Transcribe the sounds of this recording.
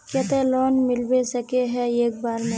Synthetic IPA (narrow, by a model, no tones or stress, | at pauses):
kɐt̪elɔːnmɪlbesɐkeɦɛeːk̚baːɾmẽ